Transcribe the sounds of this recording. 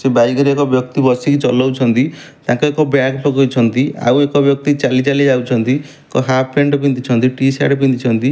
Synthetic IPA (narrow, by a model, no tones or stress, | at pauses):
sebajɡɔɾiekɔbjɔk̚t̪ibɔsikit͡ʃɔlɔwt͡ʃʰɔnt̪i | t̪ãkuekɔbaɡpɔɡɔjt͡ʃʰɔnt̪ia̰wekɔbjɔk̚t̪it͡ʃalit͡ʃalid͡ʒawt͡ʃʰɔnt̪i | ekɔɦapʰeɳɖɔpint̪it͡ʃʰɔnt̪iʈisa̰ʈɔpint̪it͡ʃʰɔnt̪i